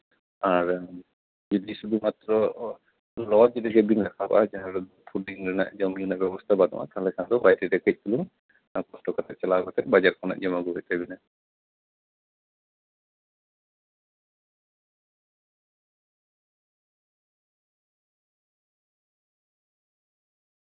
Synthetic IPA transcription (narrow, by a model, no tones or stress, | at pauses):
aɾ | d͡ʒɔd̪isud̪umat̪ɾɔ | lɔd͡ʒɔd̪iɡɛbinlɛkʰabaa̰d͡ʒaɦãɾ | pʰuɖiŋɾɛna̰ʔd͡ʒɔmjunaʔbɛbɔst̪ʰabad̪ɔ̰ʔa̰k̪ʰalɛkʰand̪ɔbajtidɛkɛc̚ˀt̪uluŋ | kɔsʈɔkɔt̪ʰɛʔt͡ʃalakɔt̪ʰɛʔbad͡ʒaɾkʰɔna̰ʔd͡ʒɔmaɡubɛt̪ɛbina